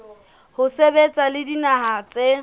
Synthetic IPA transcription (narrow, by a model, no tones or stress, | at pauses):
hʊsebet͡sʼalɪdinaɦaːt͡sʼe